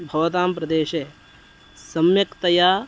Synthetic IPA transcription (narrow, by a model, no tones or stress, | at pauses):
bʱɐʋɐt̪aːmpɾɐd̪eːʃeː | sɐmjɐkt̪ɐjaː